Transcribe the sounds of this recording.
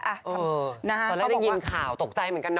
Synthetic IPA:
ʔa˧˩ʔɤː˧˩na˦˥˦ɔ˧˩lɛː˦˧˥da˥˧˩ji˧nkʰaː˨˩˦wt̪o˨˩k̚t͡ɕa˧jmɯ˩˦nka˧n˦

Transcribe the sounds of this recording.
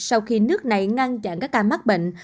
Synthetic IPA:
sa˧wxi˧nɨ˦˥ək̚na˨˩jŋa˧nt͡ɕa̰˧˨ŋkaː˦˥k̚ːaː˧˩ma˦˥k̚ɓḛ˧˨ŋ̟

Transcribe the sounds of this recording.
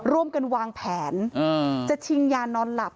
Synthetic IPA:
ɾu˧˩əmka˧nwaː˧ŋpʰɛː˩˦nː˧t͡ɕa˨˩t̪ʰi˧ŋjaː˧nɔː˧nla˨˩p̚

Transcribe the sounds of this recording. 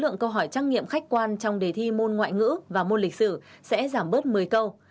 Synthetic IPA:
lɨ̰˧˨əŋkə˧wɦɔ˧˩jt͡ɕaː˦˥ŋ̚ŋḭ˧˨əmxa˦˥k̟̚kwaː˧nt͡ɕɔ˧wŋ͡mɗe˨˩t̪ʰi˧mo˧nŋwa̰ː˧˨jŋɨ̰˧˥vaː˨˩mo˧nlï˨˩k̟̚sɨ˧˩ | sɛ̰˧˥zaː˧˩mɓə˦˥t̚mɨ˨˩əjkə˧w

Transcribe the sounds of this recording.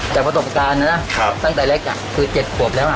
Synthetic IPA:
t͡ɕaː˨˩kpɾa˧so˨˩p̚kaː˧nːa˦˥na˦˥kʰa˧t̪a˥˩ŋt̪ɛː˨˩leː˦˥˩k̚ʔa̰˧˩kʰɯː˧t͡ɕe˨˩t̪̚kʰu˨˩əp̚lɛː˦˥wʔa˨˩

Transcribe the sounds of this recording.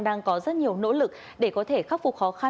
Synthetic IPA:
ŋɗaː˧ŋkɔ˨˦zə˦˥t̚ɲi˨˩əwno̰˧˥lɨ˨˩k̚ | ɗe˧˩kɔ˨˦t̪ʰe˧˩xaː˦˥p̚fʊ˨˩k͡p̚xɔ˨˦xa˧

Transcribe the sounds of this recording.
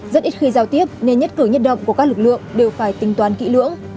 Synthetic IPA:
zə˦˥t̚ʔi˦˥t̚xi˧zaː˧wt̪i˦˥əp̚ne˧nɲə˦˥t̚kɨ˧˩ɲə˦˥t̚ɗə̰˧˨wŋ͡mku˧˩əkaː˦˥k̚lɨ˨˩k̚lɨ̰˧˨əŋɗe˨˩wfaː˧˩jt̪ï˨˩ŋt̪waː˨˩nkḭ˧˥lɨ̰˧˥əŋ

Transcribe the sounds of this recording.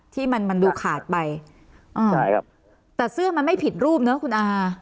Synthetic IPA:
t̪ʰiː˥˩ma˧nma˧nduː˧kʰaː˨˩t̪̚pa˧j | ʔɤː˧˩a˧˩a˧ | t̪ɛː˨˩sɯ˥˩əma˧nma˥˩jpʰi˨˩t̪̚ɾuː˥˩p̚nɯ˦˥kʰu˧nʔaː˧

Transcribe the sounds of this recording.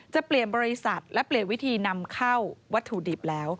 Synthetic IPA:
t͡ɕa˨˩pli˨˩ənbɔː˧ɾi˧˥sa˨˩t̪̚lɛ˦˥pli˨˩ənwi˦˥t̪ʰiː˧na˧mkʰa˥˩wwa˦˥t̪ʰːu˨˩di˨˩p̚lɛː˦˥w

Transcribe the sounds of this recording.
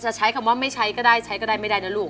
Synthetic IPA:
t͡ɕa˨˩t͡ɕʰa˦˥jkʰa˧˩mwaː˥˩ma˥˩jt͡ɕʰa˦˥jkɔː˥˩daː˥˩jt͡ɕʰa˦˥jkɔː˥˩daː˥˩jma˥˩jdaː˥˩na˦˥luː˥˩˨ŋ

